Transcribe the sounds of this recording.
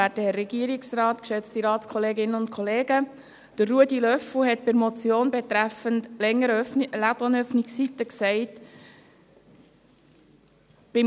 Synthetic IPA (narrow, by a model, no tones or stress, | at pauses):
æːtəhɛːɛɡiəɾɪksrɑːtkʃɛt͡stiɾɑːtskʰɔleːɡɪnənʊntkʰɔleːɡə | d̥ərːuədilœfl̩hɛt̚pɪɾmɔt͡sjoːnbɛt̪ɾæfəntlɛŋːəɾlædɑnœfnissitːəksɛɪt | b̥ɪ